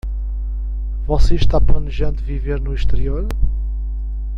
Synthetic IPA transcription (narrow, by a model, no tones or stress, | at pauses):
vɔseʃt̪aplˠɐnɨʒɐ̃nd̪viveɾnuiʃt̪ɨɾioɾ